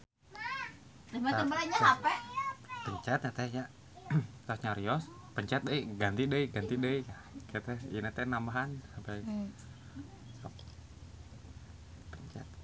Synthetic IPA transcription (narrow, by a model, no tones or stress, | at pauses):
tamaambaɦanɲaapapəɲt͡ʃat̪̚ɲat̪ɛhja | t̪ɔsɲaɾiɔspəɲt͡ʃat̪̚dəiɡant̪idəiɡant̪idəika | kaat̪ɛhḭnat̪ɛnambaɦansapai | sap | pəɲt͡ʃa̰t̪̚